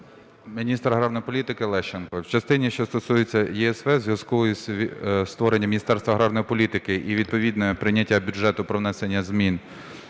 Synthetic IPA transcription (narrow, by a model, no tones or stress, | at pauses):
mʲinʲist̪ɾɐɦɾawnɔjipɔlʲit̪ɪkɪlˠɛʃt͡ʃenkɔwt͡ʃɐst̪ɪnʲiʃt͡ʃɔst̪ɔsujet͡sʲːɐjɛɛsʋɛzʋjɐskʊisʲst̪ʋɔɾenʲːɐmʲinʲist̪ɛrst̪ʋɐɦɾɑwnɔjipɔlʲit̪ɪkɪʔiʋʲid̪̚pɔʋʲid̪nɔɛpɾɪnʲːɐtʲːabʲʊdd͡ʒʒɛt̪ʊpɾɔwnɛsenʲːɐzmʲin